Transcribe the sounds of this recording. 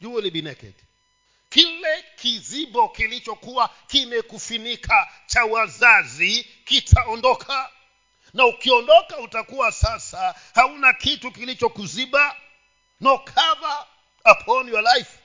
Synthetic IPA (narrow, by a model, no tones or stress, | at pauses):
d͡ʒuuliɓinɛkɛ̰t | kilɛkʰizibɔkilit͡ʃɔkuwakimɛkufinikʰat͡ʃawazazi | kitʰaɔndɔkʰa | naukiɔndɔkautakuwasasa | haunakitukilit͡ʃɔkuziɓa | nɔkʰava | apʰɔɔniwalajf